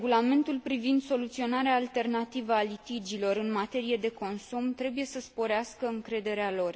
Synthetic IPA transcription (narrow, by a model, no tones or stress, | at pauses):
eɡulame̞nt̪ulpɾivind̪so̞lut̪sio̞naɾeaːlt̪e̞rnat̪ivəalit̪id͡ʒilo̞ɾɨnmat̪e̞ɾije̞d̪e̞ko̞nsumt̪ɾe̞buje̞səspo̞ɾeaskəɨŋkɾe̞d̪e̞ɾealo̞r